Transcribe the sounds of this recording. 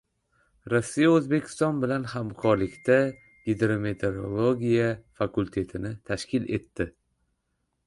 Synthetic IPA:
ɾɒsːijaɵzbe̞kʲʰɪ̥st̪ɒnbɪlanhamkʰɒɾlɪkʲt̪ʰa | ɡʲed̪ɾome̞t̪ʰe̞ɾolˠoɡʲijafakult̪ʰe̞t̪ʰɪnɪt̪ʰaʃkʲʰɪle̞̰t̪ːɪ

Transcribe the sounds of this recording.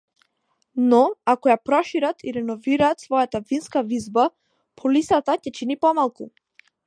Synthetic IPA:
nɔakɔjapɾɔʃiɾat̪ʰiɾɛnɔviɾaːt̪svɔjat̪avinskavizba | pʰɔlisat̪acɛt͡ʃinipɔmalˠku

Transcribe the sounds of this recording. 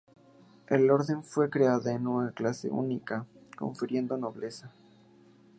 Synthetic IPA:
e̞lo̞ɾðe̞ɱfwe̞kɾe̞aðaenunaklase̞̰ṵnikako̞̰ɱfiɾje̞nd̪o̞no̞βle̞sa

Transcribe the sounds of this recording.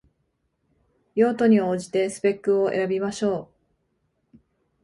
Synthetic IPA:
jo̞ːt̪o̞ɲ̟io̞ːʑi̥t̪e̞sɨ̥pe̞kːɯ̟oe̞̰ɾabʲimaɕo̞ː

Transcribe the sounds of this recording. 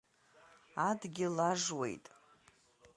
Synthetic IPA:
adɡʲɪlaʐwe̞̰jtʼ

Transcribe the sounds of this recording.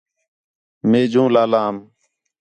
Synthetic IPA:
meːd͡ʒũːlaːlaːm

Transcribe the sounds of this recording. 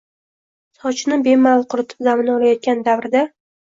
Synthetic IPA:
sɒt͡ʃʰnɪbe̞malˠqʰʊɾɪt̪ʰɪ̥pzamɪnɒlˠajɒt̪̚kʲand̪avɾɪd̪a

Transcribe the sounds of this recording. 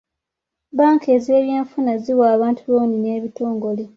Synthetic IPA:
baːŋkʰe̞ːzieːβjeːɱfunaziwaːβaːntʰuβoːnineːβitoːŋɡo̞le

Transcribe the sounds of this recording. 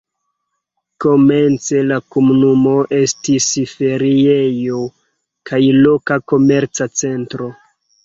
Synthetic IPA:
ko̞me̞nt͡se̞lakomunumo̞ʔe̞stisfe̞ɾiejo | kʰajlo̞kako̞me̞ɾt͡sat͡se̞ntɾo

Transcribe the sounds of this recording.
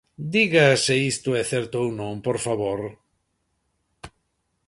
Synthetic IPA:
d̪iɣaseist̪ʊɛθɛɾt̪oownõmpoɾfaβoɾ

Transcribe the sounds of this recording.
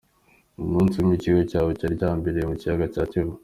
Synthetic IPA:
umuːnsumiciɡecaːwocaɾicaːmbeɾemucijaɡacaːceɦo

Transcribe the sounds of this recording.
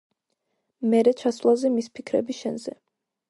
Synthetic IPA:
mɛɾɛt͡ʃʰasvlˠazɛmispʰikʰɾɛ̰bisʃɛnzɛ̰

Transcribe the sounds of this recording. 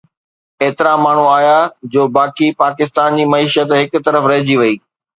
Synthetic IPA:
eːt̪ɪɾamaːɳ̤uaːjad͡ʑoːbaːkipaːkɪst̪aːnd͡ʑiːmɐiːʃət̪ɦɪkʊt̪ɐɾəfɾɐɦɪd͡ʑiʋɐiː

